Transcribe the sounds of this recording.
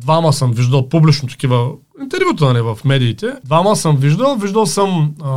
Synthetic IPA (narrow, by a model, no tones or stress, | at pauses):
d̪vaməsəmviʒd̪ɐlˠpublit͡ʃnʊt̪ɐ̥kʲivə | int̪ɛɾvʲjut̪ənalivɐfmɛd̪iːt̪ɛd̪vaməsəmviʒd̪ɐlˠviʒd̪ɐlˠsəm